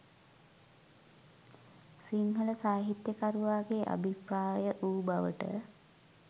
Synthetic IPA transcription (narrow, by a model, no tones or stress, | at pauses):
siŋɦələsaːɦit̪jəkaɾuʋaːɡeʔa̰bʱipɾaːjəʔuːbaʋə̰ʈə̰